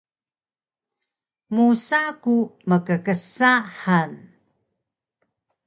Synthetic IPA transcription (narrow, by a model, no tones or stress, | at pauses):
musakuməkəkəsaħan